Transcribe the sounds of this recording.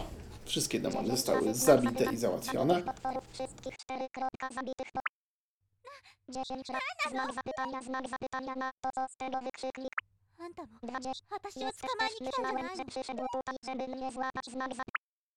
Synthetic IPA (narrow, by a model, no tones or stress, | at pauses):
fʂɘst̪̚kʲɛd̪ɔ̰mɔ̰nɨzɔst̪a̰wɘ̰zabʲit̪ɛʔizawa̰t̪fʲjɔ̰nɛɔt̪fɔɾffʂɘst̪̚kʲixt͡ʂt̪ɛɾɘkɾɔt̪kazabʲit̪ɘxɔ | d͡ʑeɕɛɲɾaznaɡzapt̪aɲazmaɡzapɘt̪aɲanat̪ɔsɔ̃st̪ɛɡɔvɘkʂɘklʲik | nt̪d̪vad͡ʑɛjɛst̪ɛɛʂɘʃwɛmɛpʂɘʂɛd̪wut̪ut̪iʐɛbɘmɲɛzwaazmaɡza